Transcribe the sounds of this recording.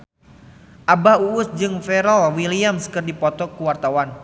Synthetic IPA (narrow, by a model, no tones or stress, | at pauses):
ʔabauʊsd͡ʒɨŋfɛɾɔlwiliamskɨrdipɔt̪ɔkuwart̪awan